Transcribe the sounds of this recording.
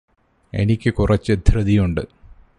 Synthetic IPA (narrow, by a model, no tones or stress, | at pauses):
e̞̰nikʲːɨkurɐt͡ɕːɨd̪ʱrɨd̪ijuɳɖɨ